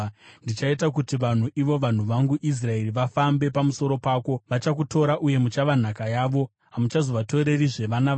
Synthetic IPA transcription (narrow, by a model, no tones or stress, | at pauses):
ndit͡ʃaitakutiʋan̤uʔiʋo̞ʋan̤uʋaŋɡuʔis̬rae̞riʋafambe̞pamuso̞ɾo̞paːko̞ʋat͡ʃak̬uto̞ɾaʔuje̞mut͡ʃaʋan̤akajaːʋo̞ | ɦamut͡ʃazo̞ʋato̞ɾe̞riʐe̞ʋana